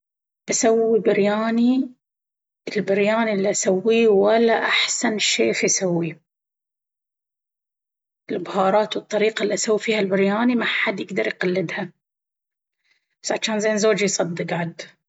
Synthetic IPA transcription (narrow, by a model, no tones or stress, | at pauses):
b̥asawːibɪɾjaːni | ɪlbɪɾjaːnilːiʔasawːiwalːaʔaħsanʃeːfisawːi | ɪlbʊhɑːɾˤɑːt̪wɨt̪ˤːɑɾiːqaʔlːiʔasawːifiːhalbɪɾjaːnimaħad̪ːjɪɡd̪ɑɾjqɑlːɪd̪ha | basʕaʃaːnzeːnzoːd͡ʒijsˤɑd̪ːɨqʕad̪